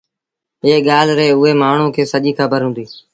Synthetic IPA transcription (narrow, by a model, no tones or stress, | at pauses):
ɦeːɠaːlɾeːʊɦeːmaːɳ̤ũːkʰeːsəʄiːkʰəbəɾɦʊ̃nd̪iː